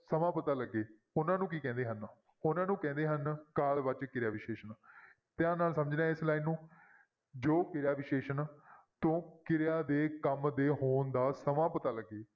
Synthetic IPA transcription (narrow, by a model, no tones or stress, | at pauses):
səmãːpət̪aːləɡːeː | ʊnãːnũːkiːkɛ̃ːnd̪eːɦən | ʊnãːnũːkɛ̃ːnd̪eːɦənkaːlʋət͡ʃkɪɾjaːʋɪʃeːʃən | t̪ɪãːnaːlsəməd͡ʒnãːɪslaːinːũː | d͡ʒoːkɪɾɪjaːʋɪʃeːʃən | t̪õːkɪɾɪjaːd̪eːkəmd̪eːɦoːnd̪aːsəmãːpət̪aːləɡːeː